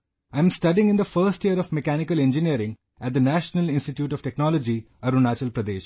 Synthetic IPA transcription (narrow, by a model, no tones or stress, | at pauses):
ãɪ̃msʈɐɖiɪ̃ŋɡɪ̃nd̪əfəːɾsʈjiəɾɔʋmekæːnɪkəlẽnd͡ʒiniəɾɪ̃ŋɡ | æʈ̚d̪ənæʃnəlɪ̃nsʈiʈjuːʈɔʋʈeknɔːlɔd͡ʒi | ɐɾunaːt͡ʃəlpɾɐd̪ḛːʃ